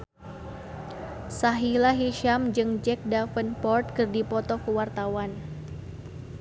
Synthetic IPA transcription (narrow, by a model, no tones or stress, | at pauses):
saɦilaɦiʃamd͡ʒɨŋd͡ʒɛk̚dafənpɔrt̪̚kɨrdipɔt̪ɔkəwart̪awan